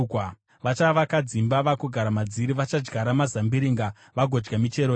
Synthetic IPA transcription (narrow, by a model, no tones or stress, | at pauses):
ʋat͡ʃaʋakad͡zimbaʋakuɡʱaɾamad͡ziɾiʋat͡ʃad͡ʒɡaɾamazambiɾiŋɡa | ʋaɡʱod͡ʒɡamit͡ʃe̞ɾo